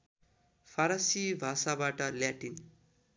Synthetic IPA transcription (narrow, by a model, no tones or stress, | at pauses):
pʰaɾasibʱasabaʈʌljaʈin